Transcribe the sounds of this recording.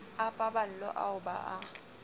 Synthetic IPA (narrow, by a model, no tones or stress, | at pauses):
apʼabal̩lɔ̰ʔa̰ʊba̰ʔa